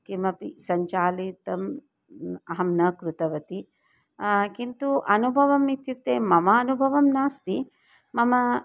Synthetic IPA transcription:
kimɐpisɐɲt͡ʃaːlit̪ɐm | ɐɦɐmnɐkɾut̪ɐʋɐt̪i | kint̪uʔɐnubʱɐʋɐmit̪juk̚t̪eːmɐmɐːnubʱɐʋɐmnaːst̪i | mɐmɐ

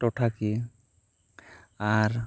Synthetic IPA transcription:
ʈɔʈʰaki | aɾ

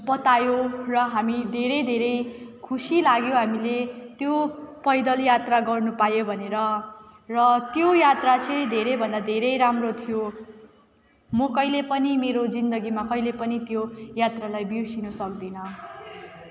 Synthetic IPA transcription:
pʌt̪ajorʌɦamid̪ʱeɾʌjd̪ʱeɾʌjkʰusilaɡjoɦamilet̪jopʌjd̪ʌljat̪raɡʌrnupajobʱʌneɾʌrʌt̪jojat̪rat͡sʌj̃d̪ʱeɾejbʱʌnd̪ad̪ʱeɾʌjɾamrot̪ʰijo | mʌkʌjlepʌnimeɾod͡zind̪ʌɡimakʌjlepʌnit̪jojat̪ralajbirsinʌsʌkd̪inʌ

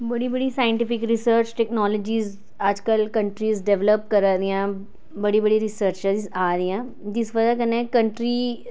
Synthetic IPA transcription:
bəɽibəɽisaːjɪ̃ɳʈɪpɪkɾɪsəɾt͡ʃʈɛknɔːlod͡ʒiːz | ɐd͡ʒkəlkəɳʈɾiːzɖɛʋləp̚kəɾaɾijãː | bəɽibəɽiɾɪsəɾt͡ʃəzaːɾiãː | d͡ʒɪsʋəd͡ʒakənekəɳʈɾiː

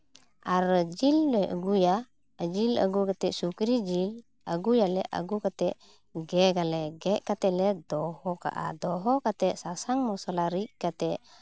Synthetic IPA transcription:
ʔaɾd͡ʒilːɛə̰ɡuja | ad͡ʒila̰ɡukat̪ɛʔsukɾid͡ʒil | aɡujalɛʔa̰ɡukat̪ɛʔ | ɡɛɡalɛɡɛʔkat̪ɛlɛd̪ɔhɔka̰ʔa̰d̪ɔɦɔkat̪ɛʔsasaŋmɔsalaɾiʔkat̪ɛʔ

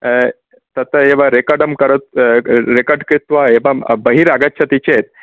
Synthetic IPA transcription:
t̪ət̪əeʋaɾekaɾɖəmkəɾət̪̚ɾekəɾɖkɾit̪ʋaeʋabəɦiɾaɡaɕʰat̪it͡ɕet̪̚

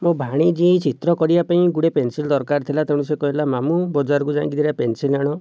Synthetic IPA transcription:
mobʱaɽ̃id͡ʒit͡ʃʰit̪ɾɔkɔɾibapaĩɡuɽepensild̪ɔɾkaɾt̪ʰilat̪eɽ̃ũsekɔɦilamamubɔd͡ʒaɾɔkud͡ʒã̰kid̪ʰiɾapensilaɽ̃ɔ

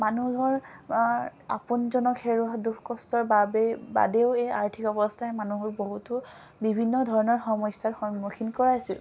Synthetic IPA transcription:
manuɦɔɹ | a̰punzɔnɔkʰeɹuaduxkɔstɔɹbabɛba̰deʊeja̰ɹtʰikɔbɔstʰaɛmanuɦɔɹboɦutʊ | bibʱinːɔdʱɔɹɔnɔɹxɔmɔjsːatxɔnmukʰinkɔɹaasil

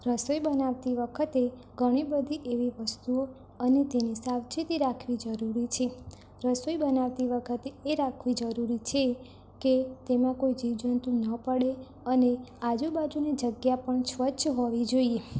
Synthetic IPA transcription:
ɾəsojbənaʋt̪iʋəkʰət̪e | ɡʱəɽ̃ibəd̪ʱiʔeʋiʋəst̪uo | ənet̪enisawt͡ʃit̪iɾakʰʋid͡ʒəɾuɾit͡ʃʰe | ɾəsojbənaʋt̪iʋəkʰət̪eːɾakʰʋid͡ʒəɾuɾit͡ʃʰe | ket̪emãkoid͡ʒiʋd͡ʒənt̪ũnəpəɽe | ənead͡ʒubad͡ʒunid͡ʒəɡjapəɳʃʋət͡ʃɦoʋid͡ʒoie

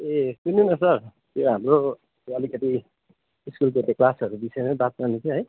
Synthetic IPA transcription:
etuninʌsʌr | t̪joɦamro | oʌlikʌt̪i | iskulket̪eklasʌɾubisʌjmebat̪̚kanit͡sʰiɦʌj

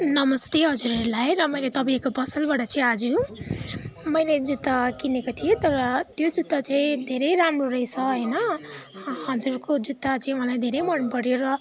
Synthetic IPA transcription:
nʌmʌst̪eɦʌd͡zuɾʌlajɾʌmʌjlet̪ʌbaekopʌsʌlbaʈʌt͡sʌĩad͡zu | mʌjled͡zud̪akinekot̪ʰijet̪ʌɾʌt̪jod͡zud̪at͡saĩd̪ʱeɾʌjɾamroɾʌjsʰʌɦʌjnʌ | ɦʌd͡zurkod͡zut̪ːat͡sãĩwʌlajd̪ʱeɾʌjmʌnpʌɽjoɾʌ

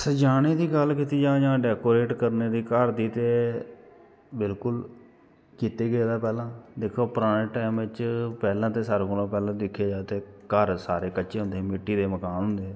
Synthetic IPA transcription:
səd͡ʒaːɽ̃eːd̪iːɡəlkiːt̪iːd͡ʒãːd͡ʒãːɖɛːkoːɾeːʈkəɾneːd̪iːkəɾd̪iːt̪eː | bɪlkʊl | kiːt̪eːɡəeːd̪aːpɛːlãːd̪ekʰoːpəɾaːɽeːʈaːmʋɪt͡ʃpɛːlãːt̪eːsaːɾokʊlõːpɛːlãːd̪ɪkʰːeːd͡ʒaːt̪eːkəɾsaːɾeːkəʃeːɦʊ̃nd̪emɪʈːiːd̪eːməkaːnɦʊnd̪eː

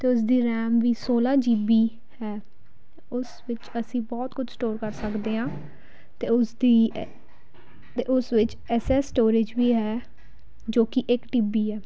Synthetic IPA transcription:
t̪eːʊs̬d̪iːɾɛːmʋiːsoːlaːd͡ʒiːbiː | hɛː | ʊsʋɪt͡ʃəsĩːbɔːt̪kʊd͡ʒsʈoːɾkəɾsəkd̪eːɦãː | t̪eːʊsd̪iː | t̪eːʔʊsʋɪt͡ʃ | ɛːsɛːsʈoːɾɪd͡ʒʋiːɦɛː | d͡ʒoːkɪʔɪkʈiːbiːɦɛː

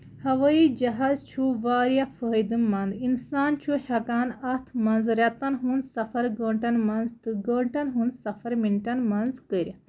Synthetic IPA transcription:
hɐʋɐid͡ʒɐɦazt͡ʃʰuʋaːɾjafəːjd̪ɨmːɐnd̪insaːnt͡ʃʰuhʲɐkaːnɐt̪ʰmɐnzɾʲɐt̪ɐnɦunsɐfɐɾɡoːɳʈɐnmɐnzt̪ɨɡəːɳʈɐnɦunsɐfɐɾmiɳʈɐnmɐnzkəɾʲ

